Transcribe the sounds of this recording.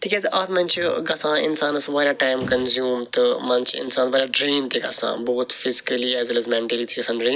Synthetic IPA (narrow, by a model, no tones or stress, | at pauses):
t̪ʰikʲɛzʔaːt̪ʰmɐ̃nt͡ʃʰɡɐsãːɪ̰nsaːnɐsʋaːɾjaːʈaːɪmkɐnzjuːmt̪ɨmɐ̃nt͡ʃʰɪ̰nsaːnʋaːɾjaɖɾĩːnt̪ʰiːɡɐ̰sã̰ːboːt̪fɪzɪ̥kəliɛːzɐlɐzmɛ̃ɳʈəlit̪ʰiːɐsãːnɖɾĩːn